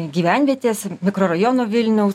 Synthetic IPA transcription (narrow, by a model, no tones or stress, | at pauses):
ɡʲiːʋʲænʲʋʲiɛt̪ʲeːsmʲɪkɾoːɾɐjonoːʋʲɪlʲnʲɛʊs